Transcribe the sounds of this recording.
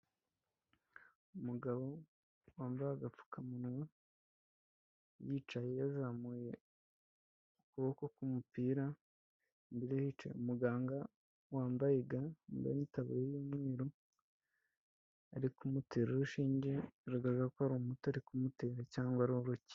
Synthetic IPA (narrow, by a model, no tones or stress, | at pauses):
umuɡaβo̞ | waːmbajaɡap͡fu̥kamunŋa | jiːt͡ʃaje̞jazamuːje̞ | ukuβokokumupiːɾa | mbiɾehit͡ʃḛumuɡaːŋɡa | waːmbajeɡamba̰mitaβṵɾejiːmweːɾo | aɾikumuteɾoɾuʃiːɲɟeɾuɡaʒakohaɾomutoaɾikumuteːɾacaːŋɡwaɾihoɾuci̥